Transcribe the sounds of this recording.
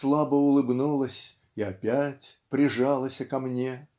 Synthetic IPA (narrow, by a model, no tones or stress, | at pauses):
slˠabəʊlˠɨbnulˠəsʲ | iɐpʲætʲpɾʲɪʐɑlˠəsʲəkɐmnʲe